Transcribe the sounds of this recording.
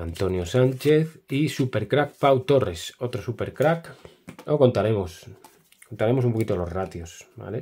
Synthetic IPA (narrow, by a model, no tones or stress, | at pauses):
ant̪o̞njo̞sant͡ʃe̞θisupe̞ɾkɾak̚pawt̪o̞re̞so̞t̪ɾosupe̞ɾkɾak | oko̞nt̪aɾe̞mos | ko̞nt̪aɾe̞mos̬umpo̞kit̪olo̞zrat̪josba̰le